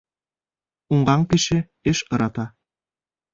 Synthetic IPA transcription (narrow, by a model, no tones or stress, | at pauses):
uɴɢɑŋkɘ̆ʃɘ | ɘʃɤ̆ɾɑt̪ɑ